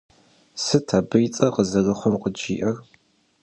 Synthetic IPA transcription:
sɨtʰabɨjt͡sʼɐqəzɐɣɐχʷɔmqʼəd͡ʒiːʔɐr

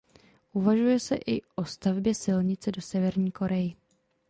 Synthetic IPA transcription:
ʔuvaʒujɛsɛʔɪʔo̞st̪avbjɛsɪlɲɪt͡sɛdo̞sɛvɛɾɲiːko̞ɾɛjɪ

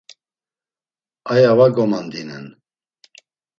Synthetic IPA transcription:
ajavaɡɔmand̪inɛ̰n

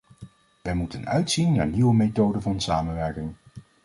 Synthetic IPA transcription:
ʋɛjmutənœɥtsinːa̰ːɹniwəmetowdəvɑnsaːmənʋɛɹkɪŋ

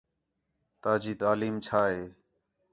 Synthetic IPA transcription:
t̪aːd͡ʒiːt̪aːliːmt͡ʃʰaːɦeː

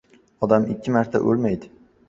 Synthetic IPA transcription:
ɒd̪amɪkʲʰːɪmaɾt̪ʰa̰ʔo̰lmajd̪ɪ

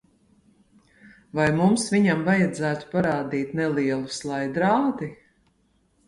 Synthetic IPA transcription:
vajmumsviɲamvajad̪zæːt̪u̥paɾaːd̪iːt̪nɛlˠiɛlˠuslˠajd̪ɾaːd̪i

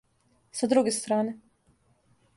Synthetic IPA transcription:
sad̪ɾuɡest̪ɾaːne

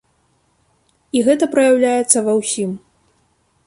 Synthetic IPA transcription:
iɣɛt̪ɐpɾɐjawlʲajɛt̪sːɐvawsʲim

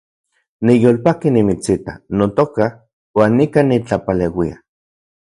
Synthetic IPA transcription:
nijoːlpakinimit͡sit̪a̰not̪oka | waːnːikanit͡ɬapalewia̰

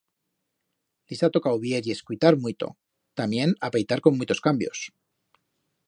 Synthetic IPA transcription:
lisat̪o̞kawβjeɾie̞skujt̪aɾmwit̪o̞̰ | t̪amje̞napejt̪aɾko̞mːit̪o̞skambjo̞̰s

